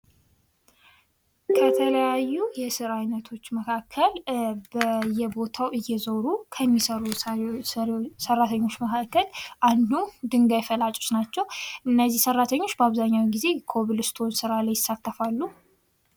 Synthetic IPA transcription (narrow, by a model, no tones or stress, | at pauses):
kʰət̪ʰələjajːujɛsɨɾajnət̪ʰo̞t͡ʃːməkʰakʰːəlbəjɛbo̞t̪ʰawʔɨjːɛzəwɾukʰəmːisəɾu | sərːat̪ʰəɲːo̞t͡ʃːməkʰakːəlʔand̪ud̪ɨŋɡajfəlat͡ʃʼot͡ʃnat͡ʃːɛwʔɨnːəzːihsərːat̪ʰəɲːo̞t͡ʃːbəaβzaɲːawɡize̞kʰo̞βilɨst̪ʰo̞nsɨɾalajːɪsːat̪ːəfalːu